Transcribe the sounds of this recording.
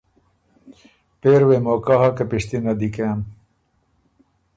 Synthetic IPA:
peːɾwemoːkaɦakɐpiʂt̪inad̪ikem

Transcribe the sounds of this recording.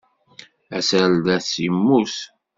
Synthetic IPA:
æsəld̪æθimːus

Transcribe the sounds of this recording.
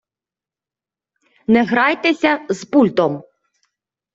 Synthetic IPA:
nɛɣɾɑjt̪ɛsʲɐzpulʲt̪ɔm

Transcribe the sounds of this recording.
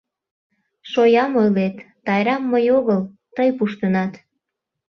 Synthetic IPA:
ʃojɑmojlet̪ːɑjɾɑmːəjoɣəl | t̪əjpuʃt̪ənɑt̪

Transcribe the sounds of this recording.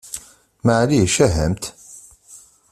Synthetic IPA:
maʕliʃæɦəmt̪

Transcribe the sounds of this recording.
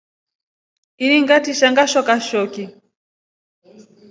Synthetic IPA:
iniŋɡatiʃaŋɡaʃɔkaʃɔki

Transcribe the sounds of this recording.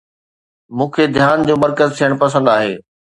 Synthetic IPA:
mũːkʰed̪ʱjaːnd͡ʑoːmɐɾkəzt̪ʰijəɽ̃pɐsə̃nd̪aːɦeː

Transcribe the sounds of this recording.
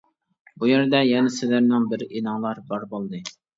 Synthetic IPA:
bujɛɾd̪ɛjɛnɪsɪlæɾnɪŋbɪɾinɑŋlˠɑɾbɑɾbolˠd̪ɨ

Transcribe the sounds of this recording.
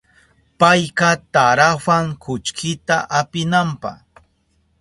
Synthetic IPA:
pajqɑt̪aɾawaŋkʰʊt͡ʃkʰɪt̪aʔapɪnampɑ̰χ

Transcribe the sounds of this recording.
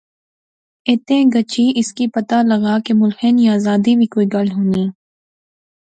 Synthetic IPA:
eːt̪ẽːɡət͡ʃiːɪskipɐt̪alɐɣaːkemʊlxeniaːzaːd̪ibʱikoːiːɡɐlɦoːniː

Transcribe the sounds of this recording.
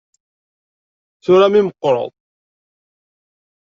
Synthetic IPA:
θuɾamiməqːɾˤə̰ðˤ

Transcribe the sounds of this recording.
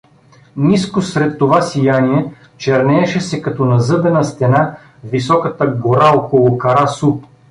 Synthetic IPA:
niskosɾɛt̪ːovasijaniɛ | t͡ʃɛɾnɛːʃɛsɛkɐt̪ɔnɐzɤbɛnɐst̪ɛna | visɔkət̪əɡoɾaɔkolˠʊkɐɾasu

